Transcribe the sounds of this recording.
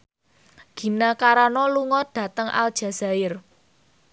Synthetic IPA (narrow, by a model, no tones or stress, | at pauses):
ɡ̥i̤nakaɾanɔluŋɔɖ̥ä̤t̪əŋʔa̰ld̥ʒ̥ä̤z̥a̤ɪr